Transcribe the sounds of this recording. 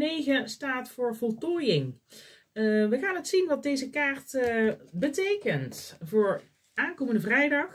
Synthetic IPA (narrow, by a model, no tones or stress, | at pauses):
ejɣəstaːtfʊːɹvɔlˠtɔːjɪŋ | ʋəχaːnətsinʋɑd̚dejzəkaːɹtbətejkəntvʊːɹ | ʔaːnkoːməndəvrɛjdɑx